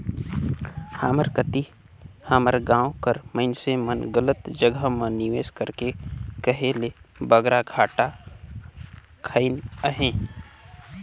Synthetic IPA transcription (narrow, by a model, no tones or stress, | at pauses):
haːməɾkət̪i | haːməɾɡãːõkəɾməɪnsemənɡələt̪d͡ʒəɡəmãnɪʋeːskəɾkekəɦelebəɡɾaɡʰʱaːʈa | kʰəɪnəɦẽː